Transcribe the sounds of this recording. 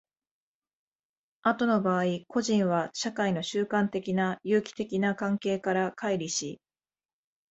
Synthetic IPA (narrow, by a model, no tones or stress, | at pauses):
at̪o̞no̞baːiko̞ʑĩɰ̃βaɕakaino̞ɕɨːkãnt̪e̞kʲinajɯːkʲi̥t̪e̞kʲinakãŋke̞ːkaɾakʰaiɾʲiɕi